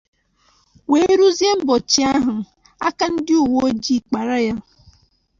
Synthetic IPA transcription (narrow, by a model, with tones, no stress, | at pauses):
we˨˦ɾu˦zje˦m̩˦bɔ˨t͡ʃi˨˦a˦ɦʊ˨ | a˦ka˦n̩˦dɪ˦u˨wo˦o˦d͡ʒi˦˨k͡pa˨ɾa˦ja˦